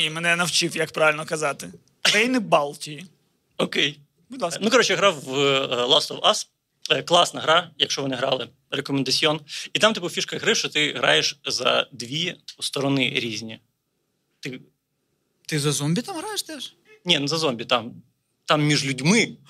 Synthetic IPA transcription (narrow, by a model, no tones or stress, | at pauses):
imɛnɛnɐwt͡ʃɪwjɐkpɾaʋʲɪlʲnɔkɐzɑt̪ɪ | ɛjnɪbɑlˠtʲiji | ɔkej | bʊdlˠɑnukɔɾɔt͡ʃɛjaɦɾɑwlˠɑslˠɔwɑs | klˠɑsnɐɦɾɑjɐkʃt͡ʃɔʋɔnɪɦɾɑ̰lˠɪ | rekɔmɛnd̪ɐt͡sʲiɔnit̪ɑmt̪ɪpʊfʲiʃkɐɦɾɪʃt͡ʃɔt̪ɪɦɾɑ̰jeʃzɐ̰d̪ʋʲiɔst̪ɔɾɔnɪɾʲizʲnʲi | t̪ɪ | t̪ɪzɐzɔmʲbʲit̪amɦɾɑjɪʃt̪ɛʃ | nʲɛnzɐzɔmʲbʲit̪ɑm | t̪ɑmːʲiʒlʲʊdʲmɪ